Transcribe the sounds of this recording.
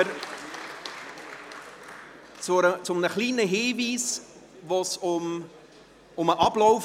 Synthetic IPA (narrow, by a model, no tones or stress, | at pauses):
ɾ | t͡sʊət͡sʊmnəχliːnəɦiːviːs | vosʊm | ʊməʔɑblɔʊf